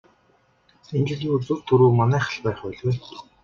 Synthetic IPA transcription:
ent͡ɕɪ̆ɮiːut͡sɵ̆r̥t̪ʰɵɾuːmanæːχə̆ɮpæːχæːɮweː

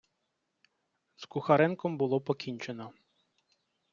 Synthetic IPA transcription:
z̥kʊxɐɾɛnkɔmbʊlˠɔpɔkʲinʲt͡ʃenɔ

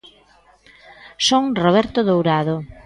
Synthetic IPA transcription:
soŋroβ̞ɛɾt̪oðowɾaðo

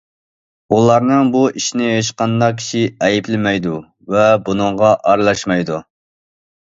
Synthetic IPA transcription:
ulˠɑɾnɨŋbuiʃinɪɦeʃqɑnd̪ɑkʲʰi̥ʃiɛjiplɪmɛjd̪u | vɛbunɨŋʁɑʔɑɾlˠɑʃmɑjd̪u

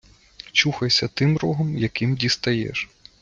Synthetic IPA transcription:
t͡ʃuxɐjsʲɐt̪ɪmɾɔɦɔmjɐkɪmdʲist̪ɐjɛ̰ʃ

